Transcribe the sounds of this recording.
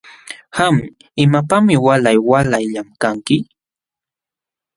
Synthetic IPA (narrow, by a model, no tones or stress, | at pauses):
ham | ɪmapamɪwalajwalajʎamkaŋkɪ